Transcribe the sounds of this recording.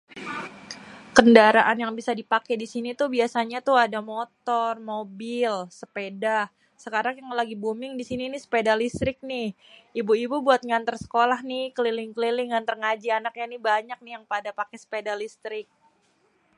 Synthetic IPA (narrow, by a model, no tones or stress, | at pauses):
kəndaɾaʔanjaŋbisadipakɛdisinit̪ubiasaɲat̪uhadamot̪ɔrmobɪlsəpeda | səkaɾaŋjaŋlaɡibumɪŋdisininisə̥pedalist̪ɾɪk̚nɪh | ibuibubuat̪̚ŋant̪ərsə̥kolahnɪhkəlilɪŋkəlilɪŋant̪ərŋad͡ʒianak̚ɲanɪhbaɲak̚nɪhjaŋpadapakɛsə̥pedalist̪ɾɪk̚